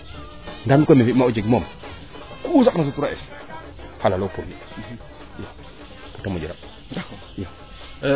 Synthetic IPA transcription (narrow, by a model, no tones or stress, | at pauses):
ŋɡamikomifimaud͡ʒeɡmom | kusaknas̬utuɾaɛs | halalopuɾni | ja | putamod͡ʒiɾa | ja